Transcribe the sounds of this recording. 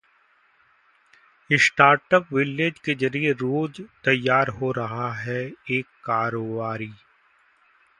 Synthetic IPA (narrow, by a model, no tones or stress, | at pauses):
ɪsʈaːɾʈəpʋɪled͡ʒked͡ʒɐɾieɾoːd͡ʒt̪ɐjːaːɾɦoɾɐɦaɦɛeːkːaːɾoːbaːɾiː